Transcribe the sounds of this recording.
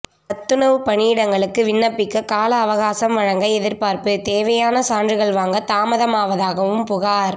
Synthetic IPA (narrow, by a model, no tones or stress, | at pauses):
pɐt̪ːɯnɐʋɯpɐɳijɪɽɐŋɡɐɭɯkːɯʋɪɳːɐpːɪkːɐkaːlɐːʋɐɣaːsɐmʋɐɻɐŋɡɐɛðɪɾpaːɾpɯt̪eːʋɐjaːnɐsaːndrɯɣɐɭʋaːŋɡɐt̪aːmɐðɐmaːʋɐðaːɣɐʋɯmpʊɣaːɾ